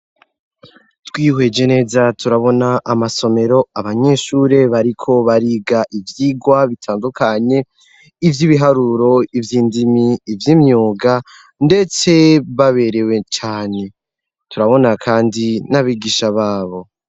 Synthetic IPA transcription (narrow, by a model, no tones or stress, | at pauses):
twiːhwe̞d͡ʒe̞ne̞zatuɾaβo̞naʔːmaso̞me̞ɾo̞aβaɲe̞ʃuːɾe̞βaɾikʰo̞βaɾiɡaʔivjiːɡwaβitʰaːndukaɲe̞ | ivjiβiɦaɾuɾo̞ivjiːndimiːvjiːmɲuːɡa | nde̞t͡se̞βaβe̞ɾe̞we̞t͡ʃaːne̞ | tuɾaβo̞nakʰaːndinaβiɡiʃaβaːβo̞